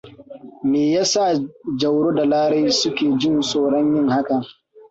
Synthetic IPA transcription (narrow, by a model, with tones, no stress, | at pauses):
meː˨jaː˦sa˦˨d͡ʒa˨wɽoː˦da˨laː˦ɽeː˦sʊ˦kʲeː˨d͡ʒɪ˦˨nsoː˦˨ɽɔ˦ɲjɪ˦ŋha˦ka˨